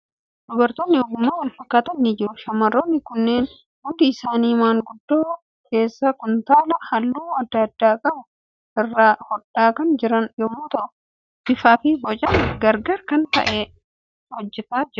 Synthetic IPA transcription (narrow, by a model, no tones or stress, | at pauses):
d̪ʊbɐɾt̪onːɪɔɡʊmːaːwɐlfɐkːaːt̪ɐnːɪd͡ʒɪɾʊʃɐmːɐrːoːnːɪkʊnːe̞ːn | hʊnd̪ɪɪsaːniːmaːŋɡʊd̪ːoː | kʰe̞ːsːɐkʊnt̪aːlɐhɐlːuːɐd̪ːɐd̪ːaːkʼɐbʊ | ɪrːaːhɔᶑaːkɐnd͡ʒɪɾɐnjɔmːoːt̪ɐʔʊ | bɪfaːfɪbɔt͡ʃʼɐnɡɐɾɡɐɾkɐnt̪ɐ̰ʔeː | hɔd͡ʒːɛt̪aːd͡ʒɪɾʊ